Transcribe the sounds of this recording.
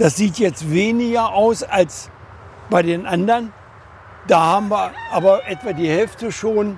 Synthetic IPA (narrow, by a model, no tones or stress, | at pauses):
d̥asz̥iːtjɛt͡stveːnɪɡɐʔaʊsals | b̥aɪdeːnʔandɐʁn | d̥aːhaːbm̩viːɐʔaːbɐʔɛtv̥aːdiːhɛlftəʃoːn